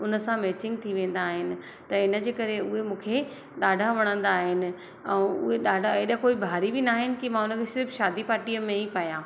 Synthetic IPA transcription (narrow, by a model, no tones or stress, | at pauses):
ʊnəsãmeːt͡ɕɪ̃ŋɡ̚t̪ʰiʋẽːn̆d̪aːɦɪnɪ̆ | t̪ɐɪnə̆d͡ʑeːkɐɾeʊɦemũːkʰe | ɗaːɖʱaʋɐɽ̃ə̃nd̪aːɦɪnɪ̆ | ɛ̃ːʊ̰ɦeɗaːɖʱaeːɗãkoːibʱaːɾibɪnaːɦɪnɪ̆kimãʊnə̆kʰesɪɾfʃaːd̪ipaːɾʈijəmẽipaːjãː